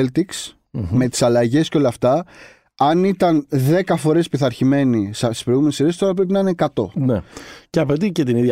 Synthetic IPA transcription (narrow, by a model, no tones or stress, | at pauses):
lt̪iks | me̞t̪i̥sɐlɐʝe̞sceo̞lɐft̪ɐ | ɐnit̪ɐnðe̞kɐfo̞ɾe̞spiθɐɾçime̞nisst̪i̥spɾo̞jɣumeniseɾest̪o̞ɾɐp̬ɾe̞p̬inɐinekɐt̪o̞̰neceɐpet̪̬icet̪inið